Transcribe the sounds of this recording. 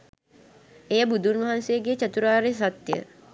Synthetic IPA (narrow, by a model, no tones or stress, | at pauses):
ejəbud̪ʱunʋɐɦansejəɡet͡ʃət̪uɾaːɾesat̪jə̰